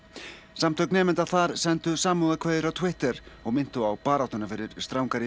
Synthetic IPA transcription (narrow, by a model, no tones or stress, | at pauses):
samt̪ʰœknɛːmɪnt̪aðθaɾ̥sɛnt̪ʏsaːmuðakʰveːjðɪɾawt̪ʰwɪht̪ɛɾɔɣmɪn̥t̪ʏawpaːɾawt̪ɔnafɪɾɪɾ̥st̪ɾaːwŋkaɾ